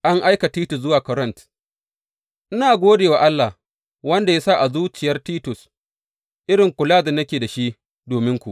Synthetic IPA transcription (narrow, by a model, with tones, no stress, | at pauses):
ʔa˦ŋʔa˦jka˨tiː˦tʊ˨s̬zʊ˦waː˨kɔ˨ɾɐ˦˨nt | ʔɪ˦naː˨ɡʷoː˦deː˨wa˨ʔa˦lːa˨ | wɐ˦nda˨ja˦sa˦ʔa˨zuː˦t͡ʃɪ˨jɐ˦rtiː˦tʊ˨s | ʔɪ˦ɽɪ˨ŋkʷʊ˨laː˦dɐ˨nːɐ˦kʲeː˨da˨ʃi˦ | doː˨mɪ˦ŋkʷu˨ʔ